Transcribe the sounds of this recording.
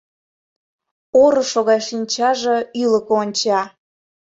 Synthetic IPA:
oɾəʃoɣɑʃinʲt͡ɕɑʒeyləkoonʲt͡ɕɑ

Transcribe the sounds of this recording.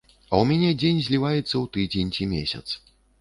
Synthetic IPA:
ɐ̰wmʲɛnʲɛd͡zʲenʲzʲlʲivajɛt̪sːɐwt̪ɨd͡zʲenʲt͡sʲimʲḛsʲɐ̰t̪s

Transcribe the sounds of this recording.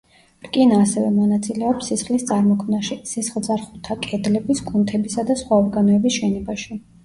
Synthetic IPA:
ɾkʼinaːsɛvɛmɔnat̪sʼilɛɔpsisχlist̪sʼaɾmɔkʰmnaʃisisχlˠd̪zaɾχut̪ʰakʼɛd̪lɛbiskʼunt̪ʰɛbisad̪asχwaɔɾɡanɔɛbisʃɛnɔbaʃi

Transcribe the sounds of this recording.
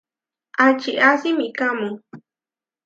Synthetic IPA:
ʔat͡ʃiasimikamũ

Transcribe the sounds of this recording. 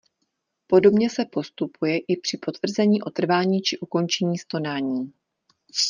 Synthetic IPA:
po̞do̞bɲɛsɛpo̞st̪upujɛʔɪpr̝̥ɪpo̞t̪vr̩zɛɲiːʔo̞t̪r̩vaːɲiːt͡ʃɪʔuko̞nt͡ʃɛɲiːst̪o̞naːɲiː

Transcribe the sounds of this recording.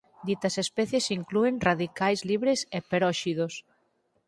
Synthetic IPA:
d̪it̪ɐsespɛθjesiŋklueŋraðikajzliβɾesepeɾɔʃiðos

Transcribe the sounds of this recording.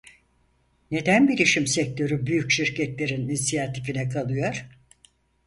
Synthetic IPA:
ne̞d̪ænbilʲiʃimsɛc̚t̪ʰø̞ɾybyjycʃiɾcʰɛt̪lʲe̞ɾininisijat̪ʰifinɛkʰalˠɯjo̞ɾ̥

